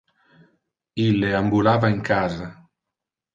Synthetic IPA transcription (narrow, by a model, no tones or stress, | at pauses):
ilːeambulavaeŋkʰaza